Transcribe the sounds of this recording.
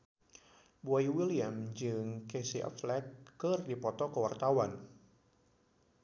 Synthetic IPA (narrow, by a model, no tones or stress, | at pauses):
buajwiliamd͡ʒɨŋkesiʔa̰flɛkːɨrdipɔt̪ɔkəwart̪awan